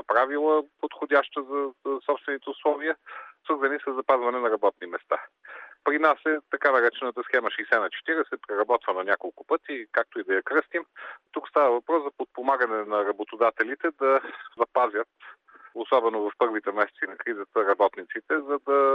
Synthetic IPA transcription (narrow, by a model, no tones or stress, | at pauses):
pɾavilˠəpot̪xod̪ʲaʃt̪əzɐsɔpst̪vɛnit̪ɛʊslˠɔviəsvəɾzɐnisəzːɐpazvɐnɛnɐɾɐbɔt̪̚nimɛst̪apɾinasɛt̪ɐkanɐɾɛt͡ʃɛnət̪əsxɛməʃijsɛnɐt͡ʃɛ̥t̪iɾɛsɛpɾɛɾɐbɔt̪vənɐnʲakolˠkʊpɤt̪ikak̚t̪oid̪ɐjɐkɾɤst̪imt̪ukst̪avəvɐpɾɔszɐpot̪̚pomaɡənɛnɐɾɐbot̪od̪at̪ɛlit̪ɛd̪ɐzɐpazʲət̪ | osɔbɛnovɐfpɤɾvit̪ɛmɛsɛt̪sinɐkɾizət̪əɾɐbɔt̪nit̪sit̪ɛzɐd̪ɐ